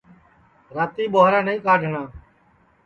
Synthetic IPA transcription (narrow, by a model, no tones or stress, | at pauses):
ɾaːt̪iːɓoːɾãːnəĩːkaːɖʱɳãː